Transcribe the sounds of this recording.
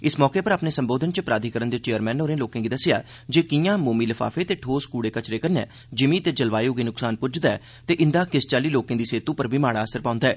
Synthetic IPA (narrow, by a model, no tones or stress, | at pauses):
ɪsmɔːkeːpəɾaːpneːsəmboːd̪ʱənt͡ʃəpɾaːd̪ʱiːkəɾənd̪eːt͡ʃeːəɾmɛ̃ːnoːɾẽːloːkẽːɡiːd̪əsɪja̰ː | d͡ʒeːkɪjãːmoːmiːləfʰa̰ːfʰeːt̪eːʈʰoːskuːɽeːkət͡ʃɾeːkənɛ̰ː | d͡ʒɪmiːt̪eːd͡ʒəlʋaːjoːɡiːnʊksaːnpʊd͡ʒd̪aɛː | t̪eːʔɪnd̪aːkɪst͡ʃaːliːloːkẽːd̪iːseːt̪ũːpəɾbʱiːmaːɽaːəsəɾpãːʊ̃nd̪aːɛː